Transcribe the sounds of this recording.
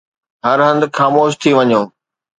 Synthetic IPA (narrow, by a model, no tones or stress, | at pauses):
ɦɐɾɦɐ̃nd̪xaːmoːʃ̬t̪ʰiʋɐɲõː